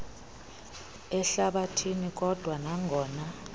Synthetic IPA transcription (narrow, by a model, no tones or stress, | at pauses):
ɛɬaɓatʰinik̬ʼɔd̥ʱwanaŋʱɔːna